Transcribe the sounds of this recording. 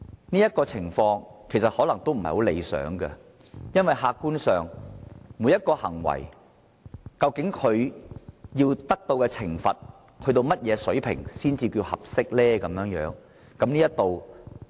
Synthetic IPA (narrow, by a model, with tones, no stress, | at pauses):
niː˥jɐ˥t̚kɔː˧t͡sʰɪ˨˩ŋfɔː˧ŋkʰe˨˩sɐ˨t̚hɔː˨˥lɐ˨˩ŋt̪o˥wm̩˨˩hjho˨˥le˨˧jsœ̰ː˨˥ŋɡɐ˧ | jɐ˥nwɐ˨jhaː˧kːuː˥nsœː˨ŋmuː˨˥jɐ˥t̚kɔː˧hɐ̰˨˩ŋwɐ̰˨˩j | kɐ˧wkɪ˨˥ŋkʰɵ˨˧ɥ | jiː˧wt̪ɐ˥k̚t̪o˧wkɛː˧t͡sʰɪ˨˩ŋfɐ˨t̚ | hʰɵ˨˧ɥt̪o˧wmɐ˥t̚jɛː˨˧sɵ˨˥ɥpʰɪ̰˨˩ŋsiː˥nt͡siː˧kiː˧hɐ̰˨p̚sɪ˥k̚lɛː˥kɐ˨˧mjœː˨˧˥ŋjœ̰ː˨˥ŋ | kɐ˨˥mniː˥jɐ˥t̚t̪o˨˧w